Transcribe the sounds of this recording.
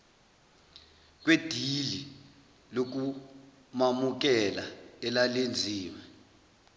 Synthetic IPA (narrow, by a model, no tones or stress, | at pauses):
k̬wed̥ʱili | lok̬u | mamuk̬ɛlaɛlalend͡zʱiːwɛ